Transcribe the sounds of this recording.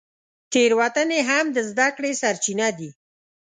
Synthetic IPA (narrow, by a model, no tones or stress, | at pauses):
t̪eɾwat̪əneɦamd̪əzd̪akɽesaɾt͡ʃinad̪i